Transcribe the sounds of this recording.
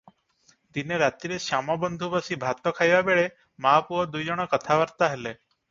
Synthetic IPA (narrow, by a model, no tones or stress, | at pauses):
d̪ineɾat̪iɾesamɔbɔnd̪ʱubɔsibʱat̪ɔkʰajbabeɭe | mapuɔd̪ujd͡ʒɔɽ̃ɔkɔt̪ʰabaɾt̪aɦele